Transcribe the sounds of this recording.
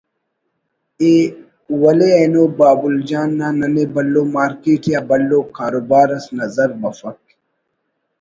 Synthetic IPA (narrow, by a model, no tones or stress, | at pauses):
eː | wɐleɐnoːbaːbuld͡ʑaːnːaːnɐnebɐlːoːmaːɾkiːʈjaːbɐlːoːkaːɾoːbaːɾɐsnɐzɐɾbɐfɐk̚